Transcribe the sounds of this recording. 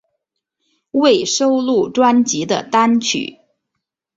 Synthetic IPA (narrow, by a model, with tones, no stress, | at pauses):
we˥˩ɪʂo˥ʊlu˥˩ʈ͡ʂwa˥nt͡ɕi˨˧˥d̪ə̰˨t̪a˥nt͡ɕʰy̰˨˩˦